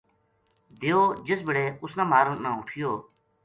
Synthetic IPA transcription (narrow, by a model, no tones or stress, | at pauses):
d̪ejoːd͡ʒɪsbɪɽeːʊsnãːmaːɾənnːãːʊʈʰɪjoː